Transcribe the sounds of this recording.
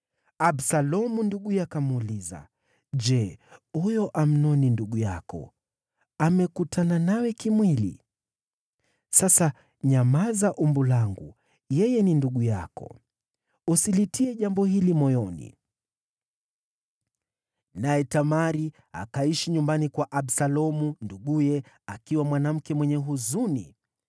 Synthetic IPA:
absalɔmunduɠujakamuːliza̰ | d͡ʒɛhujɔʔam̩nɔninduɠujakɔ̰ | amɛkutʰananawɛkimwilḭ | sasa | ɲamazaʔumbulaŋɡṵ | jɛjɛninduɠuja̰kɔ̰ | usilitiɛʄambɔhilimɔjɔnḭ | najɛtamaɾi | a̰kaiʃiɲumbanikwaʔaɓsalɔmunduɠujɛ | akiwamwanam̩kɛmwɛɲɛɦuzunḭ

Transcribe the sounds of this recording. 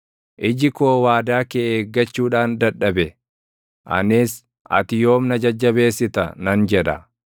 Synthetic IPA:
ʔɪd͡ʒɪkoːwaːd̪aːkeːeːɡːɐt͡ʃːuːᶑaːnd̪ɐᶑːɐbɛ | ʔɐ̰neːs | ʔɐ̰t̪ɪjo̞ːmnɐd͡ʒɐd͡ʒːɐbe̞ːsːɪt̪ɐnɐnd͡ʒɛᶑɐ

